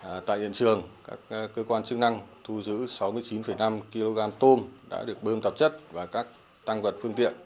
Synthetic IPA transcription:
t̪a̰ː˧˨jhḭ˧˨nt͡ɕɨ˨˩əŋkaː˦˥k̚kːəː˧kwaː˧nt͡ɕɨ˦˥k̚na˧ŋt̪ʰu˧zɨ̰˧˥sa˨˦wmɨ˧əjt͡ɕi˨˦nfə˧˩jna˧mki˧lo˧ɣaː˧mt̪o˧nɗa̰ː˧˥ɗɨ˨˩ək̚ɓəː˧mt̪ə˨˩p̚t͡ɕə˦˥t̚vaː˨˩kaː˦˥k̚ | t̪a˧ŋvə˨˩t̚fɨ˧əŋt̪ḭ˧˨ən

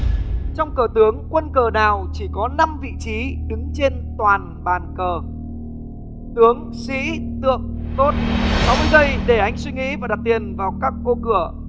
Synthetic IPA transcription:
t͡ɕɔ˧wŋ͡mkəː˨˩t̪ɨ˨˦əŋkwə˧nkəː˨˩naː˨˩wt͡ɕi˧˩kɔ˨˦na˧mvḭ˧˨t͡ɕi˨˦ɗɨ˨˦ŋt͡ɕe˧nt̪waː˨˩n | ɓaː˨˩nkəː˨˩ | t̪ɨ˨˦əŋ | sḭ˧˥t̪ɨ̰˧˨əŋt̪o˦˥t̚sa˨˦wmɨ˧ə˨jzə˧jɗe˧˩ʔa˧jŋ̟swi˧ŋḭ˧˥vaː˨˩ɗa˨˩p̚t̪i˨˩ənvaː˨˩wkaː˦˥k̚ːo˧kɨ˧˩ə

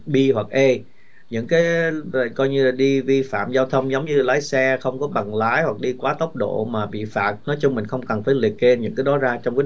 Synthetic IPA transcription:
ɓi˧ɦwa˨˩k̚ʔe˧ | ɲɨ̰˧˥ŋkaː˨˦jkɔ˧jɲɨ˧laː˨˩ɗi˧vi˧fa̰ː˧˨mzaː˧wt̪ʰə˧wŋ͡mzə˨˦wŋ͡mɲɨ˧laː˨˦jsɛ˧xə˧wŋ͡mkɔ˨˦ɓa˨˩ŋlaː˨˦jhwa˨˩k̚ɗi˧kwaː˨˦t̪ə˦˥wk͡p̚ɗo̰˧˨maː˨˩ɓḭ˧˨faː˨˩t̚nɔ˨˦jt͡ɕʊ˧ŋ͡mmï̟˨˩xə˧wŋ͡mkə˨˩nfaː˧˩jlḭ˨˩ək̚ke˧nɲɨ̰˧˥kaː˨˦jɗɔ˨˦zaː˧t͡ɕɔ˧wŋ͡mkaː˨˦

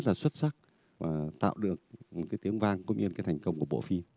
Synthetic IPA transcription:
t̚laː˨˩swə˦˥t̚sa˦˥k̚ | vaː˨˩t̪a̰ː˧˨wɗɨ˨˩ək̚m̚˨˩kaː˨˦jt̪i˨˦əŋvaː˧ŋkʊ̰˧˥ŋ͡mɲɨ˧aː˨˦jt̪ʰɛ˨˩ŋkə˧wŋ͡mku˧˩əɓo̰˧˨fi˧

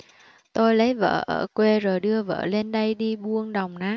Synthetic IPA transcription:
t̪o˧jlə˨˦jvə̰ː˧˨ʔəː˧˩kwe˧zoː˨˩jɗɨ˧əvə̰ː˧˨le˧nɗə˧jɗi˧ɓu˧ənɗa˨˩wŋ͡mnaː˨˦

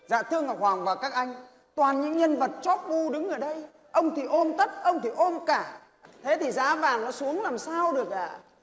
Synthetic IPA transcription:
za̰ː˧˨t̪ʰɨ˧əŋʔəː˨˩waː˨˩ŋvaː˨˩kaː˦˥k̚ʔa˧jŋ̟ | t̪waː˨˩nɲɨ̰˧˥ŋɲə˧nvə˨˩t̚t͡ɕɔ˦˥p̚ɓu˧ɗɨ˨˦ŋʔəː˧˩ɗə˧j | ʔə˧wŋ͡mt̪ʰi˨˩ʔo˧mt̪ə˦˥p̚ʔə˧wŋ͡mt̪ʰi˨˩ʔo˧mkaː˧˩ | t̪ʰe˨˦t̪ʰi˨˩za̰ː˧˥vaː˨˩ŋnɔ˨˦su˨˦əŋlaː˨˩msaː˧wɗɨ˨˩ək̚ʔa̰ː˧˨

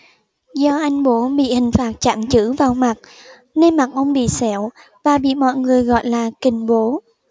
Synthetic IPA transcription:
zɔ˧ʔa˧jŋ̟ɓo˨˦ɓḭ˧˨hï˨˩ŋ̟faː˨˩t̚t͡ɕa̰ː˧˨mt͡ɕɨ̰˧˥vaː˨˩wma˨˩t̚ | ne˧nma˨˩t̚ʔə˧wŋ͡mɓḭ˧˨sɛ˧˩w | vaː˨˩ɓḭ˧˨mɔ̰˧˨jŋɨ˨˩əjɣɔ̰˧˨jlaː˨˩kï˨˩ŋ̟ɓo˨˦

